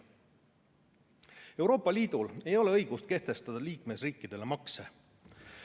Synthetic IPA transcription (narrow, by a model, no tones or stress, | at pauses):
e̞wɾo̞ːpːɑlʲiːd̪̥ule̞jo̞leɤjɡ̥ust̪̚ke̞ht̪e̞st̪ɑd̪̥ɑliːkmesriːkːˑid̪̥e̞le̞mɑkse